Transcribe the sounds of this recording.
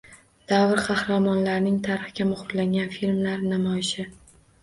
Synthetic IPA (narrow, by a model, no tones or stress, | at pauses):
d̪̥avɪɾqʰɑhɾamɒnlaɾnɪŋt̪ʰaɾɨχɡʲamʊχʊɾlaŋɡʲanfilmlaɾnamɒɪʃɪ